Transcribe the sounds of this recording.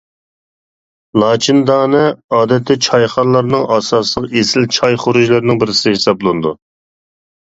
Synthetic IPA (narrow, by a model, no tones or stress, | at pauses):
lˠɑːt͡ʃʰind̪ɑːnɨɑːd̪ɛt̪ʰːɪt͡ʃʰɑjχɑnlˠɑɾnɨŋɑsɑslˠəqesɪlt͡ʃʰɑjχoɾuʒlˠɨɾnɪŋbɪɾɪsɪhɪsɑblˠɨnɨd̪u